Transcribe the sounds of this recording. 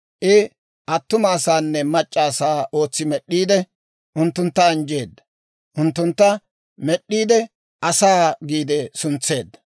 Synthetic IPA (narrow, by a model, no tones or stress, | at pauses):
ʔɪ | ʔɐt̪ːʊmaːsaːnːɛmɐt͡ʃʼːaːsaːʔo̞ːt͡sːɪmɛɗːiːd̪ɛ | ʔʊnt̪ːʊnt̪ːɐɐnd͡ʒe̞ːd̪ːɐ | ʔʊnt̪ːʊnt̪ːɐ | mɛɗːiːd̪ɛ | ʔɐsaːɡiːd̪ɛsʊnt͡sːe̞ːd̪ːɐ̥